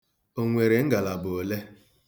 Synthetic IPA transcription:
o˦ŋʷe˨ɾe˨ŋ̩˦ɡa˨la˨bʊ˨o˨le˦

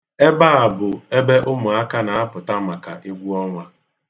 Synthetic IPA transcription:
e˦ba˦a˨bʊ˨e˦be˦ʔʊ˦mʊ˨a˦ka˦na˨a˦pʊ˨ta˦ma˨ka̰˨ʔi˦ɡʷu˦ɔ˦ŋʷa˦

